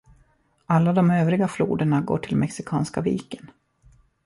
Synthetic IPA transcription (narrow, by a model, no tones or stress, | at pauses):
alːad̪ɔmøːvɾɪɡaflṵːd̪əɳaɡo̰ːʈʰɪlmʔɛksɪkʰɑ̰ːnskavḭːkən